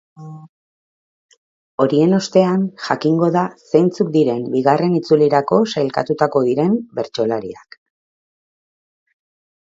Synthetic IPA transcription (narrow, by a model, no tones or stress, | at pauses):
o̞ɾie̞no̞st̪e̞anʝakiŋɡo̞ðasejnt͡sukd̪iɾe̞mbiɣare̞nit͡suliɾako̞sajlka̰t̪ut̪ako̞ðiɾe̞mbe̞ɾt͡ʃo̞laɾḭak